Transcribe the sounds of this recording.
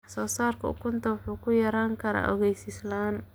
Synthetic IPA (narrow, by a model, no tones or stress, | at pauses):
ɑsɔːsaːrkʰɐʊ̰kʰʊnt̪ʰɐwɑħuːkʰʊjɐɾaːŋkʰɐɾa̰ːʔɔɣɛjsɪslaːn